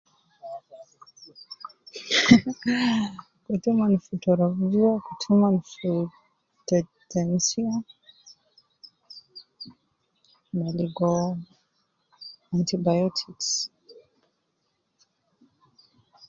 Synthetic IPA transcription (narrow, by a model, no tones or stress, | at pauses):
kutumanufutɔɾavd͡ʒiakutʰumanfu | tɛ | tɛnsia | maliɡɔ | antibajɔtʰiks